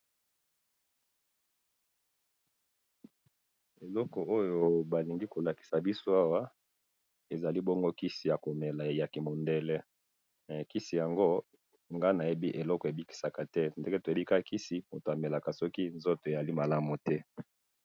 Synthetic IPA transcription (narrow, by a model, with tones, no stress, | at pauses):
e˨lɔ˦kɔ˨ʔo˦jo˨ba˨li˨ŋɡi˦ko˨la˨ki̥˨sa˨bi˦so˦a˦wa˦ | e˨za˨li˦bɔ˦ŋɡo˦ki˦si˨ja˨ko˨mɛ˨la˨ja˨ki˨mo˨nde˦lɛ˦˨ | ki˦si˨ja˨ŋɡo˦ | ŋɡa˦na˨je˦bi˦ʔe˨lɔ˦kɔ˨e˨bi˦ki˨sa˨ka˨tɛ˦nde˦ke˦to˨e˦bi˦ka˦˨kʰi˦si˨mo˨to˨a˨mɛ˨la˨ka˨sɔ˦ki˦nzo˦to˨e˨za˨li˦ma˨la˦mu˨tɛ˦